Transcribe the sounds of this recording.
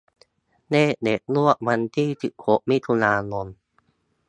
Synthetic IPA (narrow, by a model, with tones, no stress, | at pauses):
neː˥˩˨de˨˩t̪̚lu˥˩ək̚ma˧nt̪ʰiː˥˩t͡ɕɯ˨˩kʰo˨˦p̚mi˦˥t̪ʰu˧naː˧no˧n